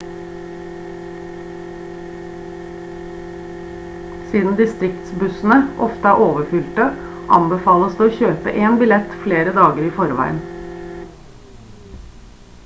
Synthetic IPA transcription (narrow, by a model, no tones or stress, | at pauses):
siːd̪n̩d̪ɪst̪ɾɪkt̪sbʉsn̩əʔɔft̪əæːʔoːʋəfʏlt̪əʔɑ̰mbəfɑːləsd̪eːoːçøːpə̰ʔeːnbɪlɛt̪fleːɾəd̪ɑːɡəɾiːfɔɾʋæ̰ɪə̰n